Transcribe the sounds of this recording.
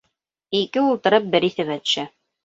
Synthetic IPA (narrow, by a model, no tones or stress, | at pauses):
ikɘulˠt̪ɤ̆ɾɤp̚bɘɾiθɘβæt̪ɵ̥̆ʃæ